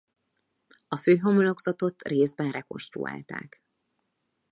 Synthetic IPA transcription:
ɒføːɦo̞molo̞ɡzɒt̪o̞t̪reːzbɛnrɛko̞̰nʃt̪rṵa̰ːlt̪a̰ːk

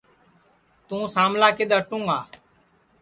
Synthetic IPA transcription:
t̪ũːsaːmlaːkeɗ̪aːʈũːaː

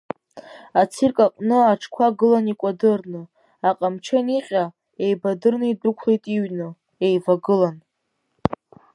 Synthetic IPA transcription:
at͡sʰirkʼaqʼnɨaʈ͡ʂʰkʷʰaɡɨlanikʷʼadɨrnɨ | aqʼamt͡ʃʰaniqʲʼa | ejbadɨrnɨidɨkʷʰlejtʼiɥnɨ | ejvaɡɨlan

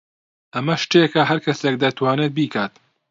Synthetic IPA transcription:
ʔɐmɐʃt̪ekɐɦɐɾkʰɐsek̚d̪ɐt̪ʰwaːnet̪̚biːkʰaːt̪

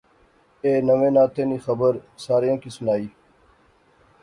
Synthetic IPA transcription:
eːnəʋẽːnaːt̪eːniːxəbəɾsaːɾijõːkiːsʊnaːiː

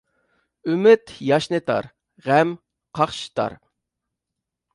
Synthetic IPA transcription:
ymɪt̪jɑʃnɨt̪ʰɑ̰ɾ | ʁæm | qʰɑχʃi̥t̪ʰɑ̰ɾ

